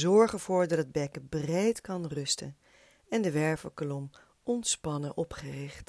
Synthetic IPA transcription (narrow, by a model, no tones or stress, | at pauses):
zɔɹχənv̥ʊːɹdɑtəd̚bɛkəbrejtkɑnrɵstə̰n | ɛndəʋɛɹvəlklɔm | ʔɔntspɑnəʔɔpχərɪχt